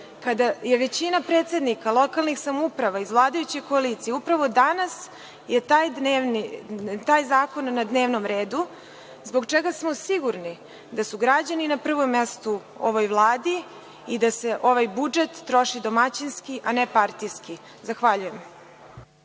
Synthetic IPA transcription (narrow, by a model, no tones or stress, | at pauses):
kad̪aje̞ʋet͡ɕinapɾet̪se̞d̪nikalˠo̞kalˠnixsamupɾaʋaizvlˠaːd̪ajut͡ɕe̞jkoaliːt̪sijeupɾaʋo̞d̪anas | jet̪ajd̪enit̪aːjzaːko̞nːad̪ne̞ːʋnomɾeːd̪u | zbo̞ɡt͡ʂeɡasmosiɡuɾni | d̪asuɡɾad͡ʑaninapr̩ʋo̞mːest̪u | o̰ʋo̞jʋlˠaːd̪iː | d̪ase̞ʔo̞ʋajbud͡ʒet̪ːɾo̞ʃid̪o̞mat͡ɕinskiʔanepaɾt̪ijski | zaxʋaʎuje̞m